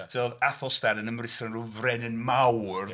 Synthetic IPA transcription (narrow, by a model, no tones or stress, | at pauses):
dʰɪɔðaθɔstaɾənəmrɪθɔnruvrɛnɪnmawr